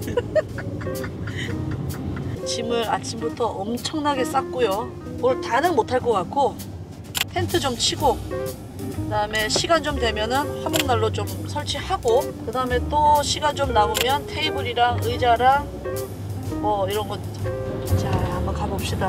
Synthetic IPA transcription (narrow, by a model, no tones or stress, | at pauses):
t͡ɕimɯɾat͡ɕʰimbutʰʌʔʌmt͡ɕʰʌŋnaɡe̞s͈ak͈̚ojo | mʌtanɯŋmotʰaɭk͈ʌkak͈ʰo | pʰe̞ntʰɯd͡ʑomt͡ɕʰiɡo | kɯdaɯme̞ɕʰiɡand͡ʑomdwe̞mjʌnɯnɸamoŋnaɭːot͡ɕomsʰʌɭt͡ɕʰihaɡokɯdaɯme̞t͈oɕʰiɡant͡ɕomnaomjʌntʰe̞ibuɾiɾaŋɯid͡ʑaɾa | mʌiɾʌnɡʌt | t͡ɕaambakabʌp̚ɕ͈ida